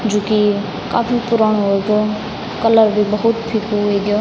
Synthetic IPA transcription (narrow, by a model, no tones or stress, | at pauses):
d͡ʒoki | kaːpʰipʊɾaːɳ̃oɦoeɡo | kələɾbʱibəɦʊt̪pʰiːkoɦeɡjoː